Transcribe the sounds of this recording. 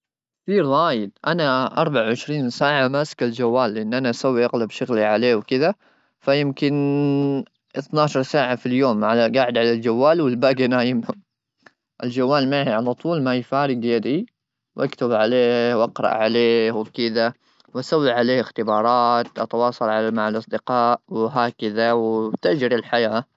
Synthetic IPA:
kkθiːɾɣaːjɪd̪̚ʔanaʔɑ̰ɾˤbaʕwʕɪʃɾiːnsaːʕamaskald͡ʒawːaːlːɪʔɪnːʔanaʔasawːiʔaɣlabʃaɣliʕaleːwkɪða | fajɪmkɪn | ʔɪθnɑːʃɑɾˤsaːʕafiljoːmʕalaɡaʕɪd̪ʕalald͡ʒawːaːlwɪlbaːɡanaːjɪmhʊ | ʔɪld͡ʒawːaːlmaʕhiʕalat̪ˤuːlmajfaːɾɪɡjad̪i | wʔakt̪ɪbʕaleːhwʔɑqɾˤɑ̰ʔʕaleːwɪkɪða | wʔasawːiʕaleːhɪxt̪ɪbɑːɾˤɑːt̪ʔɑt̪ɑwɑːsˤɑlʕamaʕalʔɑsˤd̪ɪqɑːʔwɦaːkɪðawt̪aʔd͡ʒɾilħajaː

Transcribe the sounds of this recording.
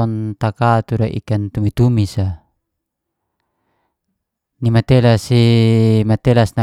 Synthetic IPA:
ɔnt̪akat̪uɾaʔḭkant̪umit̪umisa | nimat̪ɛlasimat̪ɛlasna

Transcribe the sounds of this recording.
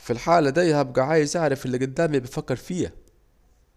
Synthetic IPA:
filħaːlæd̪æjhæb̚ɡæʕaːjɪzʔaʕɾˤɑfʔɪlːiɡʊd̪ːæːmibæfækːɪɾˤfiːæ̰

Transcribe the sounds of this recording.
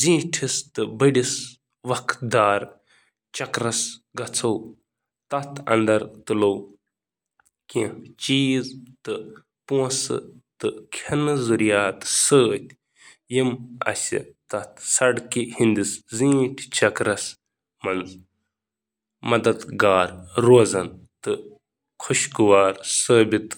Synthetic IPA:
zĩːʈʰist̪ɨbɐɽis | ʋɐkʰd̪aːɾ | t͡ʃɐkɾɐsɡɐt͡sʰɐw | t̪ɐt̪ʰɐ̰nd̪ɐɾt̪ɨlow | kĩt͡ʃiːzt̪ɨ | pũsɨ̰t̪ɨkʰɐnɨzuɾjaːt̪ɨ̥səːt̪ʲ | jimɐ̰sʲḭt̪ɐt̪ʰsɐɖkihind̪iszĩːt̪ʰʲt͡ʃɐkɾɐs | mɐnz | mɐd̪ɐd̪ɡaːɾːoːzɐnt̪ɨ | kʰuʃkuʋaːɾsəːbit̪

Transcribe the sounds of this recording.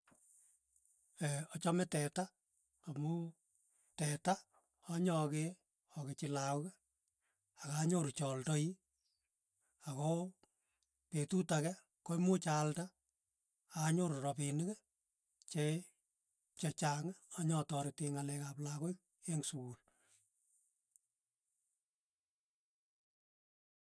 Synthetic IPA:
ɛɔt͡ʃɔmɛtɛta | amʊ | tɛta | ɔɲɔke | ɔket͡ʃɪlakɛ | akaɲoɾt͡ʃɔltɔi | akɔ | petutakɛ | komʊt͡ʃaltaː | ɲoɾɾɔpinikɛ | t͡ʃe | t͡ʃet͡ʃaŋɔɲɔtɔɾɪteŋalɛkaplakoik̚ | eŋsukul

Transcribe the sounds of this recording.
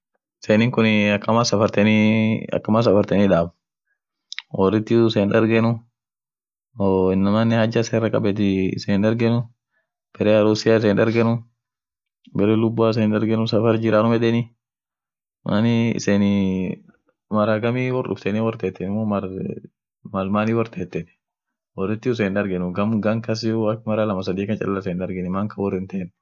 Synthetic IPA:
ɪsenɪŋkʊnɐkːɐmasɐfɐɾt̪ɛniɐ̰kːɐmaːs̬ɐfɐɾt̪ɛnɪᶑaːb | wɔrːɪt̪ːɪɪseːnᶑɐɾɡɛnʊ | oɪnːɐmanːɛhɐd͡ʒːɐseːrːɐkʼɐ̰bɛt̪ɪɪ̰seːnᶑɐɾɡɛnʊ | b̥ɛɾɛɐɾʊsɪjaːɪs̬eːnᶑɐɾɡɛnʊ | bɛɾɛlʊbːaːɪs̬enᶑɐɾɡɛnʊsɐfɐɾd͡ʒɪɾaːnʊmɛᶑ̪ɛnɪ | mʔa̰niɪ̰seːn | mɐɾaɡɐmiːwɔrɗʊ̰ft̪ɛniwɔɾt̪eːt̪ːɛnɪmːoːmɐ | mɐlmaːniːwɔɾt̪ʰeːt̪ːɛn | wɔrːɪt̪ːɪʊs̬eːnᶑɐɾɡɛnʊɡɐmɡɐŋkɐs̬ɪjuɐkmɐɾalɐmɐs̬ɐd̪iːkɐnt͡ʃʼɐ̰lːɐɪsenᶑɐɾɡɛnɪmaŋkɐwɔrːɪnt̪en

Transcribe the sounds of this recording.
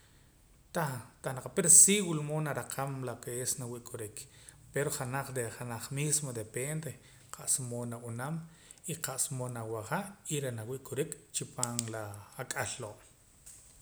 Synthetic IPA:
t̪at̪anaqapiɾsiɣulomonaɾaqʰamlakeesnawiʔkʼuɾik | peɾoχanaχd̪eχanaχmismod̪epend̪e | qʰaʔsmonaʔunam | iqaʔsmonawaχaʔiɾenawiʔkʼuɾikt͡ʃipaːŋlaːkʼaɬːoʔ

